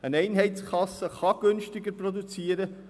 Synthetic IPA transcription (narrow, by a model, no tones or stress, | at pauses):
ənɛɪnɦɛɪtskʰɑsːəχɑɡ̥ʏnʃtɪɡəɾprod̪ut͡siːəɾə